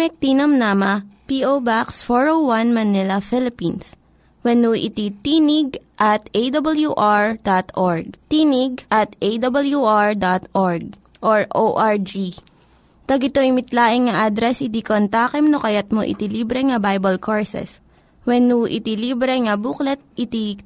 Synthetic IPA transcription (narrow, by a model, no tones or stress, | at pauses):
mɛk̚t̪inɐmnamɐpiʔowbaksfoɹowwɐnmɐnɪlɐfɪlɪpins | wɛnuʔɪ̰t̪it̪iːnɪɡ̚ʔɐt̪ʔejd̪ɐbɐljuʔaɹd̪at̪ʔoɹɡ̚t̪iːnɪɡʔɐt̪ʔejd̪ɐbɐljuʔaɹd̪at̪ʔoɹɡ̚ʔoɹʔoʔaɹd͡ʒi | t̪ɐɡɪt̪oʔɪmɪt̪laːʔɪŋŋɐʔad̪ɾɛsʔɪt̪ikont̪aːkɛmnokɐjat̪̚moʔɪ̰t̪iliːbɾɛŋɐbajbɐlkʰoɹsɛ̰s | wɛnuʔɪ̰t̪iliːbɾɛŋɐbuːklɛt̪̚ʔɪt̪i